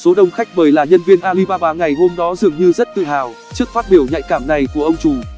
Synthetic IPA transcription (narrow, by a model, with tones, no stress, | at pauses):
so˨˦ɗə˧wŋ͡mxa˦˥jk̟̚ɓəː˨˩jlaː˨˩ɲə˧nvi˧ənʔaː˧li˧ɓaː˧ɓaː˨˧ŋa˨˩jho˧mɗɔ˨˦zɨ˨˩əŋɲɨ˧zə˦˥t̚t̪ɨ̰˧˨ɦaː˨˩w | t͡ɕɨ˦˥ək̚faː˦˥t̚ɓi˧˩əwɲa̰˧˨jkaː˧˩mna˨˩jku˧˩əʔə˧wŋ͡mt͡ɕu˨˩